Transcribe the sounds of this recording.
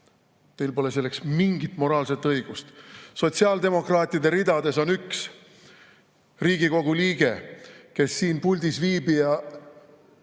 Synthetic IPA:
t̪e̞jlpo̞le̞s̬e̞lːe̞ksmiŋɡ̥it̪ˑmo̞ɾɑːlse̞t̪ːˑɤjɡ̥ust̪so̞t̪siɑld̪e̞mo̞krɑːt̪ʲˑid̪e̞ɾid̪ɑd̪e̞so̞nyks | riːɡ̥iko̞ɡ̥uliːɡ̥e̞ke̞sːiːnpulʲd̪isviːbijɑ

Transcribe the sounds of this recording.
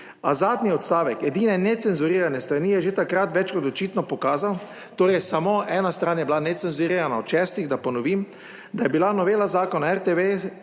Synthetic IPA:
azaːd̪niɔt̪st̪aːʋɛkɛd̪iːnɛnɛt̪sɛnzuɾiːɾanɛst̪ɾanijɛʒet̪akɾat̪ʋɛt͡ʃkɔt̪ɔt͡ʃiːt̪nɔpɔkaːzaw | t̪oːɾɛjsamoʔɛːnast̪ɾaːnjɛbilanɛt̪sɛnzuɾiːɾanawt͡ʃɛːst̪iɣd̪apɔnɔʋiːm | d̪ajɛbilanɔʋeːlazaːkɔnaɛɾt̪eʋe

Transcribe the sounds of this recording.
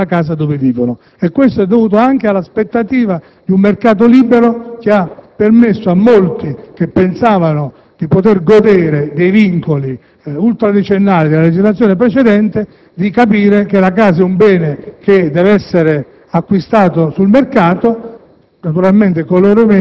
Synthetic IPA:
akaːsad̪oved̪iːkono | ekːwest̪oɛd̪ːovuːt̪oaŋk̟ealːaspet̪ːat̪iːva | d̪iummerkaːt̪̬oliːbeɾok̟eapːermesːoamːolt̪ik̟epːensaːvano | d̪̥ipot̪erɡod̪eːɾed̪ejviŋkoli | ult̪ɾad̪et͡ʃenːaːlid̪elaled͡ʒizlat̪sjoːnepɾet͡ʃed̪ɛnt̪e | d̪ikapiːɾek̟elakaːsɛumbɛːneked̪ɛvɛsːeɾe | akːwist̪aːt̪osulmerkaːt̪o | nat̪uɾalment̪ekoloːɾome

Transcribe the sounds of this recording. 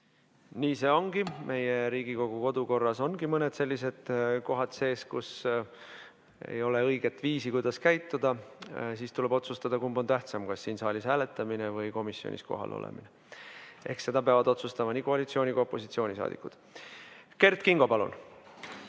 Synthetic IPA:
niːse̞ːo̞ŋɡ̥imʔe̞je̞ɾiːɡ̥iko̞ɡ̥uko̞d̪̥uko̞rːɑso̞nɡ̥imɤne̞d̪̥se̞lʲːise̞d̪̥ko̞ɦɑt̪se̞ːskṵs | ḛjo̞le̞ɤjɡ̥et̪ːˑviːsikujd̪̥ɑskæjt̪ːud̪̥ɑsiːst̪ule̞b̥o̞t̪sust̪ɑd̪ɑkumbo̞nt̪æht̪sɑmkɑsːiːnsɑːlʲishæːle̞t̪ːˑɑminevɤjko̞misːio̰nʲʔḭsko̞̰ɦɑ̰lʔo̰lʔḛmḭne | e̞̰hkse̞d̪̥ɑpeɑvɑd̪̥o̞t̪sust̪ɑmɑniːkoɑlit̪sio̞ːnikopːo̞sit̪sio̞ːnʲisɑ̰ːd̪̥ikːˑud̪̥ | ke̞rt̪kiŋɡ̥o̞pɑlṵn

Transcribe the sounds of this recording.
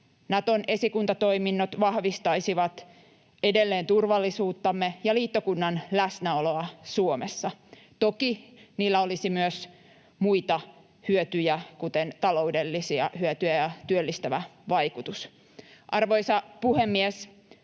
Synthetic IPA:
nɑt̪onʔe̞sikunt̪ɑt̪o̞iminːot̪ʋɑhʋist̪ɑisiʋɑt̪ | edelːeːnt̪urʋɑlːisuːt̪ːɑmːejɑliːt̪ːokunːɑnlæsnæoloɑsuomesːɑ | t̪okiniːlːæolisimyøs | muit̪ɑ | hyøt̪yjækut̪ent̪ɑlo̞udelːisiɑ̰hyøt̪yjæjɑt̪yølːist̪æʋæʋɑikut̪us | ʔɑrʋo̞isɑpuhemːies

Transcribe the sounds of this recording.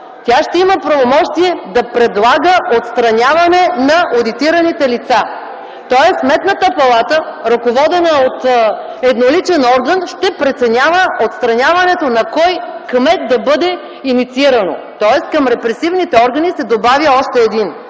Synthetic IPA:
t̪ʲaʃt̪ɛiməpɾɐvomɔʃt̪iɛd̪ɐpɾɛd̪lˠaɡəʔot̪st̪ɾɐnʲjavɐnɛnɐʔod̪it̪iɾɐnit̪ɛlit̪sa | t̪ɔɛsːmɛt̪nət̪əpɐlˠat̪əɾɐkovɔd̪ɛnəot̪ | ɛd̪nolit͡ʃɛnɔɾɡənʃt̪ɛpɾɛt̪sɛnʲavəʔot̪st̪ɾɐnʲavɐnɛt̪onɐkɔjkmɛt̪̚d̪ɐbɤd̪ɛ | init̪siiɾɐno̰t̪ɔɛskɐmɾɛpɾɛsivnit̪ɛɔɾɡɐnisɛd̪obavʲjəɔʃt̪ɛːd̪in

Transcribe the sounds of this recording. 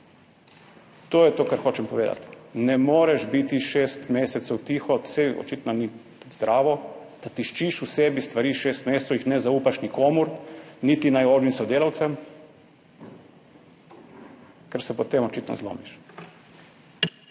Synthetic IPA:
t̪oːjɛt̪oːkaɾxoːt͡ʃɛmpɔʋeːd̪a̰t̪nɛmoːɾɛʃbit̪iʃeːst̪meːsɛt̪sɛwt̪iːxɔsɛɔ̰t͡ʃit̪nɔni | zd̪ɾʔaːʋɔd̪̥at̪iʃt͡ʃiʃusɛbist̪ʋaɾiːʃest̪meːst̪sowixnɛzauːpaʃnikoːmuɾnit̪inajoːʒnimsɔd̪eːlawt̪sɛm | kɛɾsɛpɔt̪emɔt͡ʃit̪nɔ̰zlo̰ːmiʃ

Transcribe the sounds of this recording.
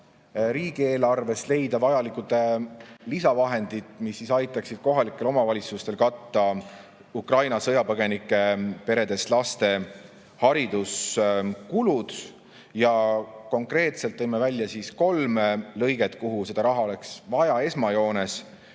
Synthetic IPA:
ɾiːɡ̥ie̞ːlɑrve̞sle̞jd̪̥ɑvɑjɑlikud̪̥elisɑvɑɦe̞nd̪̥id̪misːisɑjt̪ːˑɑksid̪̥̚ko̞ɦɑlikːˑe̞lo̞mɑvɑlʲit̪sust̪e̞lkɑt̪ːɑ | ukrɑjnɑsɤjɑpɤɡ̥e̞nikːˑe̞pe̞ɾe̞d̪e̞slɑst̪e̞ | hɑɾid̪̥uskulud̪̥ | jɑko̞ŋkre̞ːt̪selt̪ːɤjmevælʲjɑsiːsko̞lmlɤ̞jɡ̥e̞t̪kuɦuse̞d̪̥ɑɾɑɦɑo̞le̞ksvɑjɑe̞smɑjo̞ːne̞s

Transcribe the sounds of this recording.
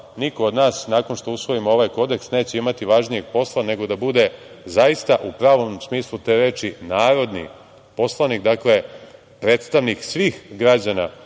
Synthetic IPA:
niko̞od̪naːsnaːko̞nʃt̪o̞usʋo̞imoo̞ʋaːjko̞d̪e̞ksne̞ːt͡ɕe̞imat̪iʋaʒnijeɡ̚po̞slˠane̞ɡo̞d̪abud̪e̞ | zajist̪aʔupɾaːʋo̞msmiːslˠut̪e̞ːɾe̞ːt͡ʃinaːɾo̞d̪nḭ | po̞slˠanikd̪akle̞ | pɾe̞ːt̪st̪aʋniksʋiːxɡɾad͡ʑana

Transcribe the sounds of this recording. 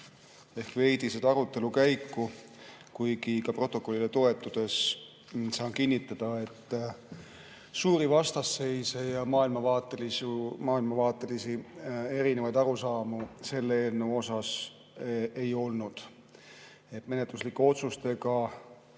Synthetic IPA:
e̞hkve̞jd̪̥ised̪ɑɾut̪ˑːe̞lukæjkːˑu | kujɡikɑpro̞t̪ːˑo̞kˑo̞lːilet̪o̞et̪ːˑud̪̥e̞s | sɑːnkinʲːit̪ːˑɑd̪̥ɑe̞t̪ː | suːɾivɑst̪ɑsːe̞jsejɑmɑːilmɑvɑːt̪ːˑelisumɑːilmɑvɑːt̪ːˑe̞lisie̞ɾinevɑjd̪ɑɾusɑːmuse̞lːeeːlneo̞sɑs | e̞jo̞lnud̪̥ | e̞t̪me̞net̪luslikːˑuo̞t̪sust̪e̞ɡɑ

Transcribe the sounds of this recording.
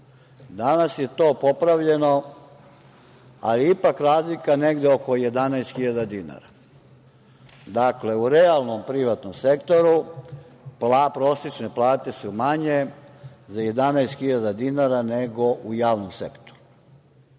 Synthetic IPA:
d̪anasje̞t̪o̞ːpo̞pɾaʋʎe̞no̞ | a̰liipakɾaːzlikane̞ɡd̪eoko̞jed̪anaest̪xiʎad̪ad̪ina̰ɾa | d̪akle̞uɾealˠnompɾiʋat̪nomsekt̪o̞ɾu | plapɾo̞ːset͡ʃneplˠaːt̪e̞sumaɲezaje̞d̪anɛjst̪xiʎad̪ad̪inaɾaneɡo̞ʔujaːʋnomsḛkt̪o̥ɾu̥

